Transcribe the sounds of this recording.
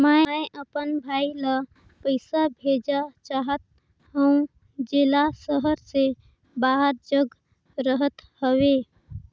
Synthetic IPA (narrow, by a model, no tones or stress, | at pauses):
majʔəpənbʱailə | pəɪsabʱed͡ʒat͡ʃaɦət̪̚ | ɦə̃ũ | d͡ʒelasəɦəɾse | baɦəɾd͡ʒəɡ | ɾəɦət̪həwe